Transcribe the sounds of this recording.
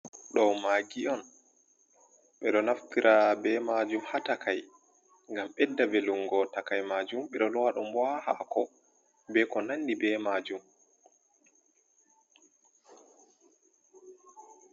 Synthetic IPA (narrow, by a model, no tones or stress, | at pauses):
ɗɔwmaɡiɔn | ɓɛɗɔnaftiɾʔabɛmad͡ʒumhatakʰaj | ŋɡamɓɛdːaveluŋɡɔtakajmad͡ʒumɓɛɗɔlɔwaɗɔmbwaha̰kɔ | bɛkɔnanːibɛmad͡ʒum